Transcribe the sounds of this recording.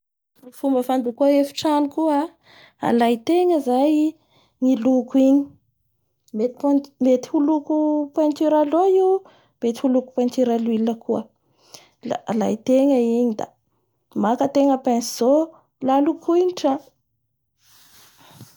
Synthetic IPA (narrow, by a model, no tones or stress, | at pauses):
ufumbəfand̪ukuaefi̥ʈ͡ʂanikua | a̰lajt̪eŋəzaj | ŋilukuiɲi̥ | met̪i̥pamet̪i̥hulukupant̪iɾaloi | met̪ihuluku̥pant̪iɾaluiləkuə | lala̰jt̪eŋəiɲid̪a̰ | makət̪eŋəpensiz̥o | lalukʰujniʈ͡ʂã